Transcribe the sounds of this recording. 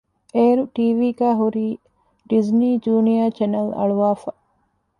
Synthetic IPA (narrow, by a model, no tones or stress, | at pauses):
ʔeːɾuʈiːʋiːɡæːɦuɾiː | ɖizniːd͡ʒuːnijaːt͡ʃenɐlɐ̰ɭuʋaːfɐ